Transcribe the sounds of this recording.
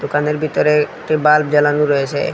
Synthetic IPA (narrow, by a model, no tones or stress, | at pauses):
d̪okaneɾbʱit̪ɔɾek̚ʈibalb̚d͡ʑɛlanuɾɔjet͡ɕʰḛ